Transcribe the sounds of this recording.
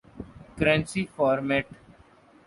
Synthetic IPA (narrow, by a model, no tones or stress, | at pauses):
kɾɛ̃nsifɔːɾmɛːʈ